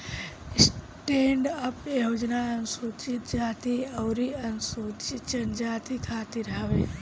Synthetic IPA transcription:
s | ʈẽːɳɖɐpjoːd͡ʒnaɐnsuːt͡ʃit̪d͡ʒaːt̪iɐwɾiɐnsuːt͡ʃɪtt͡ʃɐnd͡ʒaːt̪ikʰaːt̪iɾɦaʋeː

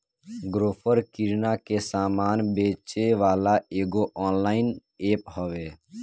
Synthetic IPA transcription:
ɡɾoːpʰəɾkiɾnakesaːmaːnbeːt͡ʃeʋaːlaeːɡoʔɔːnlaːɪn | eːpɦɔʋeː

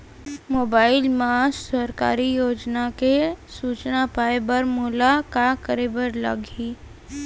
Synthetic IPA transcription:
moːbaːɪlmaːssəɾka̰ːɾijoːd͡ʒnakesuːt͡ʃnapaːebɐɾmuːlakakəɾiːbəɾlɐ̰ɡɦiː

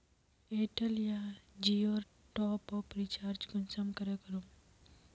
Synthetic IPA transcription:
eʈəlijad͡ʒioːɾ | ʈɔːpɔpɾit͡ʃaːɾd͡ʒɡʊnsəmkəɾekəɾo

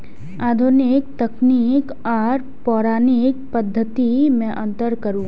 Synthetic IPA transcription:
aːd̪ʱunɪk̚t̪ɐknik | ɔːɾ | pɔːɾaːnɪk̚pəd̪ʱːət̪imɛ̃ʔɐ̃nt̪əɾkɐɾũː

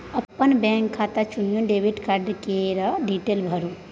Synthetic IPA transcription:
əpːənbɛ̃ːŋkʰːaːt̪at͡ʃunjũɖeːʋiʈkaɾɖkeɾɐɖiʈeːlbʱəɾu

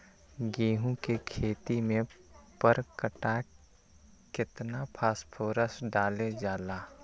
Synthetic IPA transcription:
ɡeːɦũkekʰeːt̪imẽpəɾkəʈa | kɪt̪napʰaːspʰoːɾəsɖaːled͡ʒaːlaː

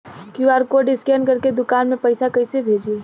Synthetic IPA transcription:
kiwaɾkoɖɪskenkəɾked̪ʊkanmepəjsakəjsebʱed͡ʒe

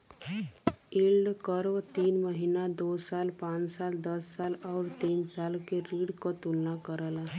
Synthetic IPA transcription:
iːlɖkəɾʋt̪iːnməɦinad̪oːsaːlpãːt͡ʃsaːld̪əsːaːlɔːɾt̪iːnsaːlkeɾiːɽkot̪ulnakəɾəla

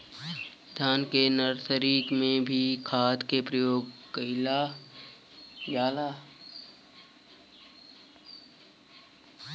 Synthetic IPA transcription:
d̪ʱaːnkenəɾt̪ʰəɾiːkmẽbʱikʰaːd̪kepɾəjoːɡkəɪla | jaːlaː

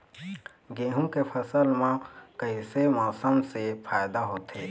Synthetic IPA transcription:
ɡeːɦũkepʰəsəlmãkəɦisemaːsəmsepʰaːjd̪aɦoːt̪ɦeː

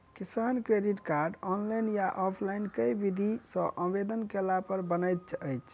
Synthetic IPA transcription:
kisankɾeɖiʈkaɾɖɔnlajnjaʔɔpʰlainkəjbid̪ʱisə̃ʔə̃bed̪ənkelapəɾbənəjt̪̚t͡ʃʰəjt͡ʃʰ

